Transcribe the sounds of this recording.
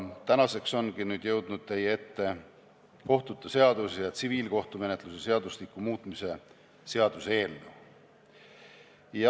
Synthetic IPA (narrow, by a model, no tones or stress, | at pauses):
t̪ænɑse̞kso̞nɡinyːd̪̥jɤwd̪̥nud̪̥̚t̪e̞jee̞t̪ːe̞ | ko̞ht̪ut̪ːˑɑse̞ɑd̪̥usjɑt̪siviːlko̞ht̪ume̞ne̞t̪luse̞se̞ɑd̪̥uslikːˑumuːt̪ˑmise̞ | se̞ɑd̪̥use̞ːld̪u | jɑ